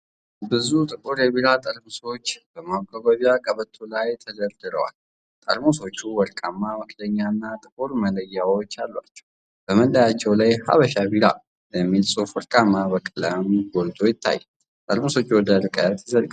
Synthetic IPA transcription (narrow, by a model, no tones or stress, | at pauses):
bɨzut̪ʼɨkʼuɾjɛβiɾat̪ʼəlmuso̞t͡ʃːbəmaɡʼəɡəβiakʼəβət̪ʰːulajt̪ʰəd̪əld̪ɨɾə̰wa̰l | t̪ʼə̰lmoso̞t͡ʃːuwɔɾkʼamːamɨkʰləɲːanːat̪ʼɨkʼuɾmələjːawot͡ʃːalːwa̰t͡ʃːɛ̥w | b̥əməlːəjat͡ʃːɛwlajha̰βəʃabiɾa̰ | bəmːilsʼufɔɾkʼamːaβəkʼələmɡold̪o̞jɪt̪ʰːa̰jː | t̪ʼəlmuso̞t͡ʃːwɔd̪əɾɨkʼət̪jɪzəlkʼ